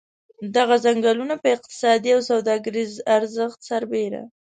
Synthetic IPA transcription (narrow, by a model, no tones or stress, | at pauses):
d̪aɣazaŋɡalunapəɪq̚t̪ɪ̥sɑd̪iawsawd̪ɑɡəɾizaɾzəxt̪saɾbeɾa̰